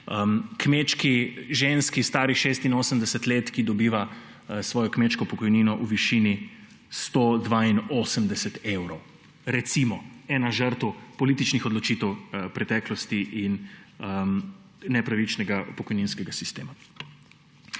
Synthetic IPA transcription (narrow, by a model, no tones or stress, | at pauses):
əkmet͡ʃkiʒenskist̪aːɾiʃeːst̪inoːsəmd̪ɛsɛt̪leːt̪kid̪ɔbiːʋa | sʋɔːjɔkmet͡ʃkɔpɔkɔjninɔʔuʋiʃini | st̪od̪ʋainoːsəmd̪ɛsɛt̪ewɾɔw | ɾɛt̪simɔɛːnaʒəɾt̪əwpɔliːt̪it͡ʃnixɔd̪lɔt͡ʃit̪ɛwpɾɛt̪ɛːklɔst̪iʔinəmː | ɛpɾaʋit͡ʃnɛɡapɔkɔjninskɛɡasist̪eːma